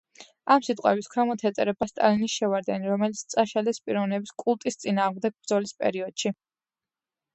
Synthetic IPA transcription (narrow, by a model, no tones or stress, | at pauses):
amsit̪ʼqʼɛbiskʰɾɛmɔt̪ʰɛt̪sʼɛɾɛbast̪ʼa̰linisʃɛvaɾd̪ɛniɾɔmɛlit̪sʰt̪sʼaʃalɛspʼiɾɔvnɛbiskʼulˠt̪ʼist̪sʼinaːʁmd̪ɛɡ̚bɾd̪zɔlispʼɛ̰ɾiɔd̪̥ʃi